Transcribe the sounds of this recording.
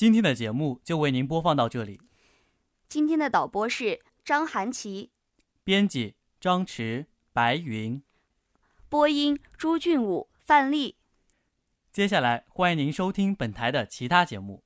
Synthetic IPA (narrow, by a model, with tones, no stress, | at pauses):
t͡ɕi˥nt̪ʰjɛ˥nd̪ə˨˩t͡ɕjɛ˧˥mu˥˩t͡ɕjo˥˧ʊwe˥˩ɪni˧˥np̬wɔ˥fɑ˥˧ŋt̪ɑ˥˧ʊʈ͡ʂɤ˥˩li˨˩˦ | t͡ɕi˥nt̪ʰjɛ˥nd̪ə˨t̪ɑ˨˩ʊpwɔ˥ʂɻ̩˥˩ | ʈ͡ʂɑ˥ŋxa˧˥nt͡ɕʰi˧˥ | pjɛ˥nt͡ɕi˨˩ | ʈ͡ʂɑ˥ŋʈ͡ʂʰɻ̩˧˥ | pa˧˥ɪi˧˥n | pwɔ˥i˥ŋʈ͡ʂu˥t͡ɕy˥˩nu˨˩ | fa˥˧nli˥˩ | t͡ɕjɛ˥ɕ̬ja˥˩la˧˥ɪxwa˥ni˧˥ŋni˧˥ŋʂo˥ʊt̪ʰi˥ŋpə˨˩nt̪ʰa˧˥ɪd̪ə˨t͡ɕʰi˧˥t̪ʰa˥t͡ɕjɛ˧˥mṵ˥˩